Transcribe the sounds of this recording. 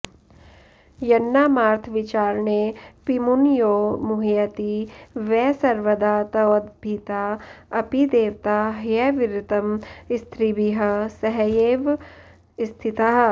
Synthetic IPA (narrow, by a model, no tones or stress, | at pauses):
jɐnːaːmaːɾt̪ʰʋɪt͡ʃaːɾnepimunjoːmuɦijɐt̪iʋɛːsɐɾʋəd̪aːt̪ɐd̪̚bʱit̪aːɐpid̪eːʋt̪aɦjɛʋɪɾɪt̪ɐmɪst̪ʰɾibiɦɐsɐɦjeːʋ | st̪ʰit̪aɦ